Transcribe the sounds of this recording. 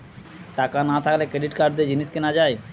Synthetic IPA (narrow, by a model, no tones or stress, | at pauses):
ʈakanat̪ʰaklekɾeɖiʈkaɾɖ̚d̪ed͡ʑiniʃkenad͡ʑaj